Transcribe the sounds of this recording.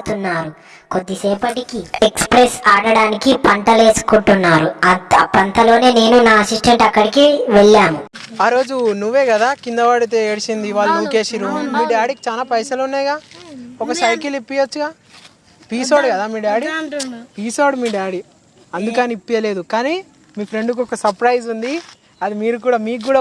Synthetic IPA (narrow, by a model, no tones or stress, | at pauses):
t̪unːaːɾu | ko̞d̪ːisɛːpɐʈikiekspɾesaːɽɐɽaːnikipɐnʈɐle̞ːsu̥kuɳʈunːaːɾuɐpɐnt̪ɐlo̞ːne̞ːne̞ːnunaːɐsisʈeɳʈɐkːɐɽikiʋeɭːaːnu | aːɾo̞ːd͡ʒunuʋːe̞ːɡɐd̪aːkind̪ɐʋaːɽit̪eːeːɽsind̪iʋaːlːuukeːʃiɾummiːɖaːɽiki̥t͡ʃaːlaːpɐjsɐlunːajɡaːɔkɐsɐjkilipːijɐt͡ʃːuɡaː | piːsoːɽkɐd̪aːmiːɽaːɽipiːsoːɖmiːɖaːɽi | ɐnd̪ukɐnipːijɐle̞ːd̪ukaːni | miːfɾe̞ɳɖuk̬ɔkɐsɐɾpɾɐjd͡ʒund̪i | ɐd̪imiːɾuk̬uːɽaːmiːkk̬ːuːɽa